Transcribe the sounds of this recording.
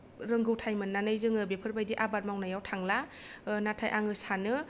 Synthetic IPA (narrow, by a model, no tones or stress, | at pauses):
ɾɯŋɡɯwtʰajmɯnːanɯjzɯŋɯbepʰɯɾbajdiʔabat̚mawnajawtʰaŋlanatʰajʔaŋɯsanɯ